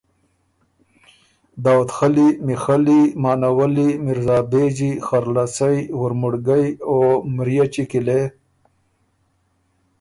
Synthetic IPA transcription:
d̪aːwut̪xalimixalimɑːnawəlimiɾzaːbed͡ʑixaɾlasajwʊɾmuɽɡajomɾijat͡ʃikile

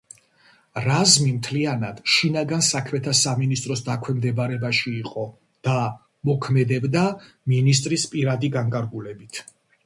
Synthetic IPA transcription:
ɾazmimt̪ʰlianad̪̥ʃinaɡansakʰmɛt̪ʰasaminist̪ʼɾɔsd̪akʰwɛmd̪ɛbaɾɛbaʃiːqʼɔ | d̪̥a | mɔkʰmɛd̪ɛbd̪a | minis̬t̪ʼɾispʼiɾad̪iɡaŋkʼaɾɡulɛbit̪ʰ

